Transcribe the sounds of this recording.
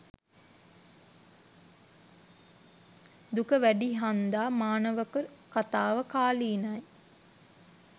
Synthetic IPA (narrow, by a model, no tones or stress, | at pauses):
d̪ukəʋæɖiɦand̪aːmaːnəʋəkəkat̪aːʋəkaːliːnaj